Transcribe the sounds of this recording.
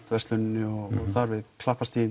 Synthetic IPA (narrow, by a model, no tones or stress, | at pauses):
t̪vɛst̪lʏnnːɪɔɣɔɣθaɾvɪðkʰl̥ahpast̪i